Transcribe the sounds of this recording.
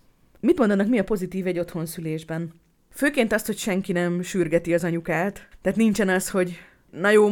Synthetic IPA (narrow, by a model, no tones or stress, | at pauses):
mit̪mo̞nd̪ɒnɒkmiɒpo̞zit̪iːvɛɟːo̞t̪ho̞nsyleːʒbɛn | føːkeːnt̪ɒst̪hocʃɛŋkinɛmʃyrɡɛt̪iɒzɒɲukaːt̪ːɛːt̪nint͡ʃɛnɒsho̞ɟ | nɒjoː